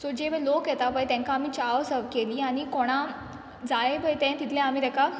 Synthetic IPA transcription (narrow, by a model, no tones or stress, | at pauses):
sɔd͡ʑeʋəlokjɛt̪aʋəjt̪ɛ̃ŋkaːm̤iːt͡ɕaʋsəkeliːaɽ̃ikoɽ̃a | d͡zajebʱəjt̪ɛ̃nt̪it̪ʰlɛ̃am̤iːd̪ɛka